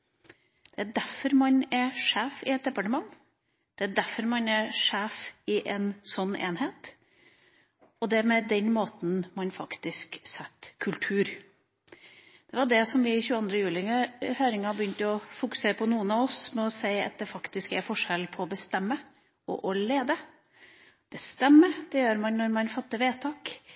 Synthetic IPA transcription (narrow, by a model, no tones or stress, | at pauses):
d̪̥ɛæɖæɾfɔɾmɑnæɾʂæːfɪɛt̪̚d̪ɛpɑʈəmɑŋ | d̪̥ɛæɖæɾfɔɾmɑnæɾʂæːfɪʔɛnsɔnːḛːnheːt̪ | ɔd̪ɛmɛd̪ɛnmoːt̪n̩mɑnfɑkt̪ɪsksɛt̪ːkʰʉlt̪ʰʉːɾ | d̪̥ɛʋɑɖɛsɔmʋɪçʉːəɑnd̪ɾəjʉːlɪəhøːɾɪŋɑbəjʏnt̪əɔfʊkʉ̥seːɾəpʰɔnuːənɑʋɔsmɛɔsæɪɑ̰t̪̚d̪ɛfɑkt̪ɪskæɾfɔʂɛlpʰɔːbəst̪ɛmːə | ɔ̰ʔɔleːd̪ə | b̥əst̪ɛmːəd̪̥ɛjøːɾmɑnnɔɾmɑnfɑt̪ːəʋeːt̪ʰɑːk